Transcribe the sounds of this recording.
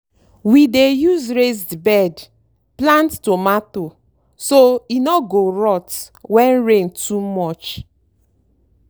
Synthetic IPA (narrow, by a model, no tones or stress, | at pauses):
widejuzɾezdbɛd | plãnttomato | soinɔɡoɾɔt | wɛ̃nɹentumɔt͡ʃ